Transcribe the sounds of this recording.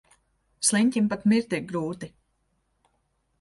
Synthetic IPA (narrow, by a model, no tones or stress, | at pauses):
slˠinʲtʲimpat̪miɾt̪iɡɾuːt̪i